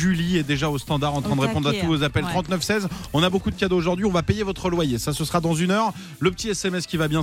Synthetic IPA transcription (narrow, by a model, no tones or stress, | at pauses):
ʒyliɛd̪eʒaost̪ɑ̃d̪aʁɑ̃t̪χɛ̃d̪əʁepɔ̃d̪ʁat̪uvozapɛlt̪χɑ̃t̪nœfsɛzɔ̃nabokud̪əkʲad̪ooʒuʁd̪ɥiɔ̃vapejevɔt̪χəlwajesasəsəʁad̪ɑ̃zynœʁ | ləpə̥t̪iɛsɛmɛskʲivabjɛ̃